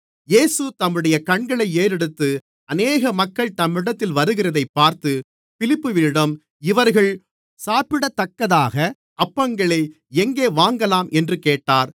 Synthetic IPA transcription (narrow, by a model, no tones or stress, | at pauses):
jeːsɯt̪ɐmːɯɽɐjɐkɐɳɡɐɭɐɪeːɾɛɽɯt̪ːɯ | ɐneːɣɐmɐkːɐɭt̪ɐmːɪɽɐt̪ːɪlʋɐɾɯɣɪrɐðɐɪpːaːɾt̪ɯ | fɪlɪpːɯʋɪɽɐm | ɪʋɐɾɣɐɭ | saːpɪɽɐt̪ːɐkːɐðaːɣɐ | ʔɐpːɐŋɡɐɭɐɪ | ɛŋɡeːʋaːŋɡɐlaːmʔɛndrɯkeːʈːaːɾ